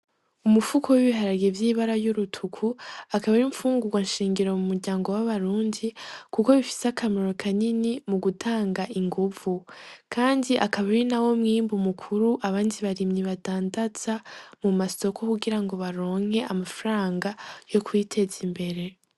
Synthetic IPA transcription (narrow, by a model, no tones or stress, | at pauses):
umufukʰowiβiɦaɾaɡevjiːβaɾajuɾutʰukʰuakaβaɾiɱfuːŋɡuɡwanʃiːŋɡiɾo̞mumuɾɟaːŋɡo̞waβaɾuːndikuko̞βifi̥seakʰameɾo̞kʰaninimuɡutʰaːŋɡaʔiŋɡuvukʰaːndiʔakaβaɾinawo̞mŋiːmbumukʰuɾuʔaβaːndiβaɾimɲiβataːndat͡samumaso̞kʰo̞kuɡiɾaŋɡo̞βaɾo̞ːŋ̥he̞ʔamafɾaːŋɡajo̞kwitʰe̞zimbe̞ɾe̞